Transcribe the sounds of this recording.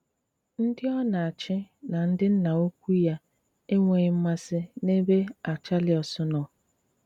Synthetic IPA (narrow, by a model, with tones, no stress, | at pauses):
n̩˦dɪ˦ɔ˦na˨a˨t͡ʃɪ˦na˨n̩˦dɪ˦n̩˦na˨o˦kʷu˦ja˦ | e˦ŋʷe˨ɲɪ˦m̩˦ma˦sɪ˦ne˦be˦a˨t͡ʃa˦lɪ˨ɔ˨sʊ˦nɔ˨